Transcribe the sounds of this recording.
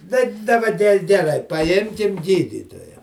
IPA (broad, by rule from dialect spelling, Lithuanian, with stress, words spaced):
tɐɪ dɐˈbɐ ɡʲɛ ɡʲɛˈrɐɪ pɐˈjɪmʲkʲɪm ˈɡʲiːdʲiːtoːjɛ